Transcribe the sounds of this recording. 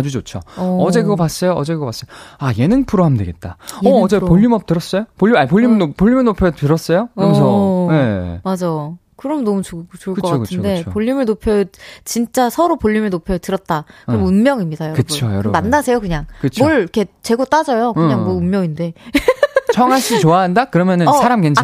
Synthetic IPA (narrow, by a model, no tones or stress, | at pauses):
ad͡ʑud͡ʑot͡ɕʰoʌʌd͡ʑe̞kɯɡʌpas͈ʌjoʌd͡ʑekɯɡʌpas͈ʌjaje̞nɯnpʰuɾoɦamdweɡet̚t͈aʌːd͡ʑepoʎːimʌp̚t͈ɯɾʌs͈ʌjopoʎːiapoʎːimɯopoʎːimʌnopʰjʌtɯɾʌs͈ʌjoɯsʰʌnḛmad͡ʑa | kɯɾʌmnʌmut͡ɕuɡt͡ɕoɭkɯk͈ʌkatʰɯnde̞poʎːimɯɭnopʰjʌt͡ɕint͡ɕ͈asʰʌɾopoʎːimɯnopʰjʌtɯɾʌt̚t͈akɯɾʌmunmjʌŋimɲidajʌkɯojʌɾmːanːasʰe̞jokɯɲaŋkɯt͡ɕʰmʰʌɭikʰe̞t͡ɕe̞ɡot͈ad͡ʑʌjokɯɲɲaŋmʌunmjʌŋinde̞ | t͡ɕʰʌŋɦaɭɕ͈ʰit͡ɕoaɦandakɯɾʌmjʌnɯnnsʰaɾamkent͡ɕa